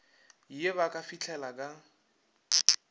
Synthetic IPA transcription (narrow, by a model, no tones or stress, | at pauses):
ieβakʼafit͡ɬʰɛlakʼa